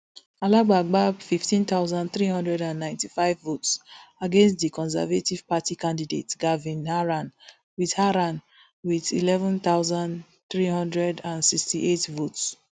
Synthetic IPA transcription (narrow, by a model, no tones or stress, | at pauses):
alaɡ͡baɡ͡babfiftĩnt̪aʊzãndθɹihɔ̃ndɹɛdãnːãɪ̃ntifaɪvːotsaɡẽnstdikɔ̃ns̬ɛ̰vativ̥patikãndidetɡavĩnhaɹãn | wiðhaɾãn | wiðḭlɛvɔ̃nt̪aʊzãnd | θɹihɔ̃ndɹɛdãnsikstiʔetvots